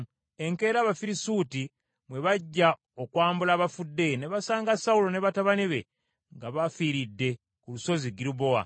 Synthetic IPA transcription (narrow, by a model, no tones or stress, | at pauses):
e̞ŋke̞ːɾaːβafiɾisuti | mwe̞βaɟːa | okwaːmbulaːβafudːe̞ne̞βasaːŋɡasaulo̞ne̞βataβaniβe̞ | ŋɡaβafiːɾidːe̞ | kuluso̞ziɡiɾubo̞a̰